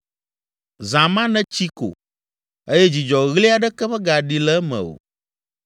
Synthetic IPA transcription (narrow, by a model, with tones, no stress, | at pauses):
zã˨mã˦nɛ̃˦t͡ɕi˦ko̰˨ | e˦jɛ˦d͡ʑi˨d͡ʒɔ˨ɣli˦a˨ɖə˦kɛ˦ɸə˦ɡa˨ɖi˨lɛ˦mɛ̰̃˨o̰˨